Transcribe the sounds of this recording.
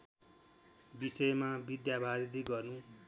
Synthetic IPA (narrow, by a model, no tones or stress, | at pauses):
bisʌjmabid̪jabʱaɾid̪iɡʌrnu